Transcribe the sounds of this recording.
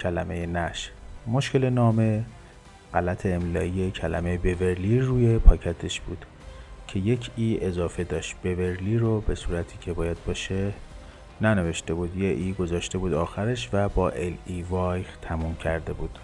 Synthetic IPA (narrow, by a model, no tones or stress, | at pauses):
cʰælæme̞jenæʃmo̞ʃke̞lenɒːme̞ | ɢ̥ælæt̪ʰeːmlɒːijecʰælæ̰mejebe̞veɾliruːjepʰɒːcʰæt̪ʰe̞ʃb̥uːd̪̥ | cʰe̞je̞cʰiːezɒːfe̞d̪ɒːʃt̪̚b̥e̞veɾliːɾobe̞suːɾæt̪ʰiːcʰe̞bɒːjæd̪̚bɒːʃe | næne̞ve̞ʃt̪e̞buːd̪jeʔiːɡo̞zɒːʃt̪e̞buːd̪ɒːxæɾeʃvæbɒːʔelivɒːjʁt̪ʰæmuːmcʰæɾd̪e̞buːd̪̥